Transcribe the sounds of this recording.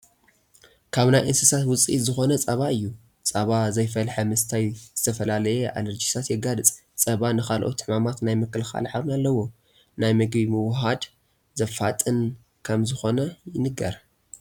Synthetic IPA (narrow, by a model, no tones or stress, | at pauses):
kʰaβnajʔɨnsɨsat̪wʊt͡sʼizɨxo̞nɐt͡sʼɐβaɨjːu | t͡sʼɐβazɐjfɐlħɐmɨst̪ʰajz̥ɨt̪ʰɐfɐlalɐjɛʔa̰lɐɾd͡ʒisʰat̪jɛɡalɨt͡sʼ | t͡sʼɐβanɨxalʔo̞̰t̪ʰːɨħmamat̪najmɨkːɨlxa̰lħaβnalːɐwo̞ | najmɨɡbimɨwɦad̪ | zɐfa̰t̪ʼɨn | kʰɐmzɨxo̞nɐjɪnɨɡɐɾ